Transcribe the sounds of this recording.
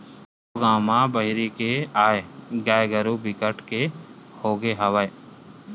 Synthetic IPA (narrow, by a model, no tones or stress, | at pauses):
oɡaːmãbəɦɾikeaːeɡaːjɡəɾubɪkəʈkehoːɡeɦɐʋəe